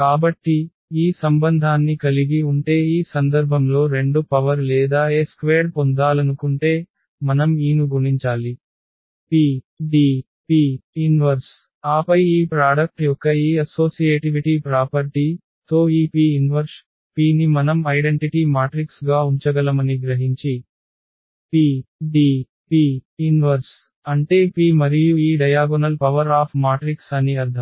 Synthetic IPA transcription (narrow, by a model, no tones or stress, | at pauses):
kaːbɐʈːi | iːsɐmbɐnd̪ʱaːnːikɐliɡiuɳʈe̞ːiːsɐnd̪ɐɾbʱɐmlo̞ːɾe̞ɳɖupɐʋɐɾlɛːd̪aːeːskʋeːɾpond̪aːlɐnukuɳʈe̞ː | mɐnɐmiːnuɡuɳiɲt͡ʃaːli | piː | ɖiː | piːinʋɐɾs | aːpɐjiːpɾaːɽɐk̚ʈjɔkːɐiːɐso̞ːsijeːʈiʋiʈipɾaːpɐɾʈi | t̪o̞ːiːpiːinʋɐɾs | piːnimɐnɐmɐjɖeɳʈiʈimaːʈɾiksɡaːuɲt͡ʃɐɡɐlɐmɐniɡɾɐɦiɲt͡ʃi | piːɖiː | piːinʋɐɾs | ɐɳʈe̞ːpiːmɐɾijuiːɖɐjaːɡɔnɐlpɐʋɐɾaːpʰmaːʈɾiksɐniɐɾd̪ʰʱɐm